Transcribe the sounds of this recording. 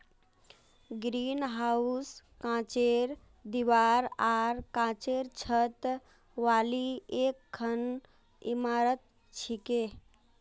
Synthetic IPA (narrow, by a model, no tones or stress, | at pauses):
ɡɾinɦauskãt͡ʃeɾ | d̪iʋaɾaɾkãt͡ʃeɾt͡ʃʰət̪ | ʋaliekʰːən | ḭmaɾət̪̚ | t͡ʃʰike